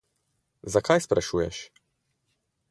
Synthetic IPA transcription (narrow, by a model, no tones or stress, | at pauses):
zakajspɾaʃuːjɛʃ